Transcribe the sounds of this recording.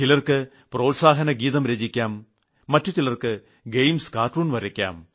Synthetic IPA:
t͡ɕilɐrkɨ | pro̞ːlsaːɦɐnɐɡiːðɐmɾed͡ʑikʲːaːmː | ɐtːut͡ɕilɐrkɨ | ɡejmskaːrʈruːnʋɐɾɐkʲːa̰ːm

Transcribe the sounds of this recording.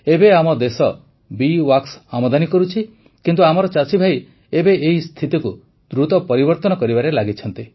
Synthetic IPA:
ebeamɔd̪esɔ | biwaksamɔd̪anikɔɾut͡ʃʰi | kint̪uamɔɾɔt͡ʃat͡ʃibʱaj | ebeʔeist̪ʰit̪iku | d̪ɾut̪ɔpɔɾibɔɾt̪ɔnɔkɔɾibaɾelaɡit͡ʃʰɔnt̪i

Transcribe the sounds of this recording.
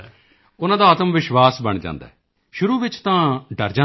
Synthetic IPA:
ʊnãːd̪aːət̪əmʋɪʃʋaːsbəɳd͡ʒã̰ːnd̪a̰ːɛ | ʃʊɾuːʋɪt͡ʃt̪ãːɖəɾd͡ʒaː

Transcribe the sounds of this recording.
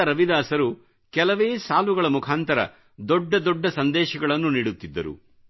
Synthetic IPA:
ɐɾɐʋid̪aːsɐɾu | kɛlɐʋeːsaːluɡɐɭɐmukʰaːnt̪ɐɾɐ̰ | d̪ɔɖːɐd̪ɔɖːɐsɐnd̪ɛːʃɐɡɐɭɐnːuniːɽut̪ːid̪ːɐɾṵ

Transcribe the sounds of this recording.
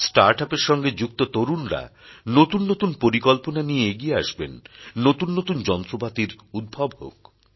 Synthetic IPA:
sʈaɾʈapeɾʃɔŋɡed͡ʑuk̚t̪ot̪oɾunɾa̰ | not̪unːot̪unpoɾikɔlponanieeɡieaʃbenːot̪unːot̪und͡ʑɔnt̪ɾobat̪iɾud̪̚bʱabɦo̰k

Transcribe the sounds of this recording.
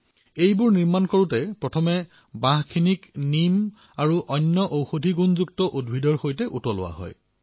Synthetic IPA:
ejbʊɹniɹmankoɹutɛpɹɔtʰɔmɛ | bãɦkʰiniknim | aɹuʔɔnːɔʔowxodʱiɡunzuk̚tɔʔudbʱidɔɹxojtɛʔutɔlʊ̰wa̰ɦɔ̰j

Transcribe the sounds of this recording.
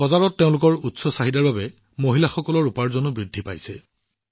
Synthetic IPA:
bɔzaɹɔtːeʊ̃lʊkɔɹutsɔsaɦidaɹbabɛ | moɦilaxɔkɔlɔɹupaɹzonʊbɹidʱːipa̰jsɛ

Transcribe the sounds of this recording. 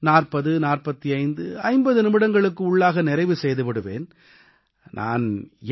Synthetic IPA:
naːrpɐðɯnaːrpɐt̪ːiɐɪnd̪ɯɐɪmbɐðɯnɪmɪɽɐŋɡɐɭɯkːɯʊɭːaːɣɐnɪɾɐɪʋɯsɛjðɯpɐɽɯʋḛːn | nʔa̰ːn

